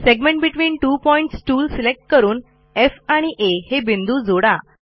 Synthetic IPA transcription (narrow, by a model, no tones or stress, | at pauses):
seɡmẽɳʈ̚biʈʋiːnʈuːpɔiɳʈsʈuːlsilek̚ʈ̚kəɾuːn | efaɽ̃iʔehebind̪uːd͡zoɽa